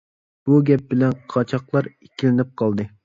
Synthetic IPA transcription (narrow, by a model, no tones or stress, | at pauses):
b̥uɡʲɛp̚bɪlɛnqʰɑt͡ʃʰɑqlˠɑɾekʲʰilɪnɪp̚qʰɑlˠd̪ɨ